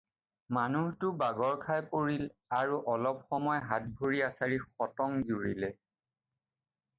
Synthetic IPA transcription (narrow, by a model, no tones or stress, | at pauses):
manuhtʊbaɡɔɹkʰajpoɹilaɹuʔɔlɔp̚xɔmɔjɦat̚bʱoɹiasaɹixɔtɔŋzuɹilɛ